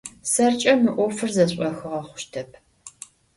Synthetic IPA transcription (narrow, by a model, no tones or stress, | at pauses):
sɐrt͡ʃʼɐmɨʔʷɔfɨrzɐɕʷʼɔxɨʁɐχʷʊ̥ʃtʰɐp̚ʰ